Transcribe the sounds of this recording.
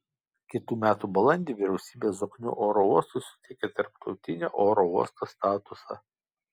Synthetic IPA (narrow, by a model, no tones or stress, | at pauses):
kʲɪt̪uːmʲæːt̪uːbɐlˠɐnʲd̪ʲiːʋʲɪɾʲɛʊsʲiːbʲeːsoːknʲʊ̰ʔoːɾouɔst̪ʊɪsʲʊ̥t̪ʲɛɪkʲet̪ɐɾpt̪ʰɒʊt̪ʲɪnʲeːʔoːɾouɔst̪oːst̪ɑːt̪ʊsɑ̰